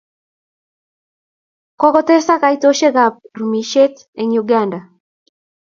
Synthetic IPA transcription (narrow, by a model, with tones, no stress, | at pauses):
kɔ˦ɡɔ˦t̪e˦sa˦ka˨jt̪o˦ʃe˦ɡap̚rumi˨ʃe˦t̪ | eɲuɡanda˨